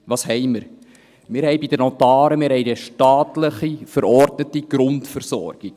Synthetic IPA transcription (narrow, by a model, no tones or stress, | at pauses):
ʋɑːshɛɪməɾ | mɪːɾhɛɪbid̥ənɔtɑːɾəmɪːɾhɛɪdəʃtɑːtləχifəɾɔrdnətiɡ̥ɾʊntfərsɔ̰ɾɡ̥ik